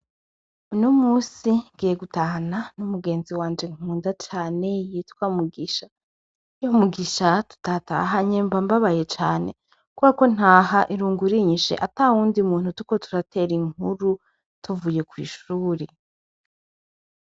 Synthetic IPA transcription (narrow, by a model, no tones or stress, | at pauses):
unomuːsiŋɡiːje̞ɡutahananumuɡe̞ːnziwaːnd͡ʒe̞ŋ̥uːndat͡ʃaːne̞jitkwamuɡiʃa | jomuɡiʃatu̥tata̰ɦaɲeːmbambaβaje̞t͡ʃaːne̞ | kuβako̞n̥haːɦaʔiɾuːŋɡuɾiɲiʃḛʔatawuːndiumuːn̥utuko̞tu̥ɾatʰeɾiŋuɾu | tuvuje̞kwḭːʃuːɾe̞